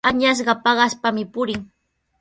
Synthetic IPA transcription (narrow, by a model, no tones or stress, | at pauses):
aɲas̬ɢɑpɑɢɑspamɪpʊɾɪŋ